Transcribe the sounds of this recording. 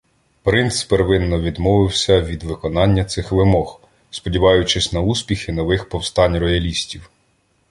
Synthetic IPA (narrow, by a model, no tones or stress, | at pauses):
pɾɪnt̪speɾʋɪnːɔʋʲid̪mɔʋɪwsʲɐʋʲid̪ʋɪkɔnɑnʲːɐt̪sɪxʋɪmɔx | spɔdʲiʋɑjʊt͡ʃɪsʲnɐusʲpʲixɪnɔʋɪxpɔwst̪ɑnʲrɔjɐlʲisʲtʲiw